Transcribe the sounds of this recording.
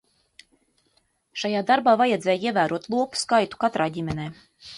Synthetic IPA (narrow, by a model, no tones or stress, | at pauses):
ʃajaːd̪aɾbaːvajɛd̪zʲɛːjiɛvæːɾuɔt̪lˠuɔpu̥skajt̪u̥kat̪ɾaːɟʲimʲɛnɛː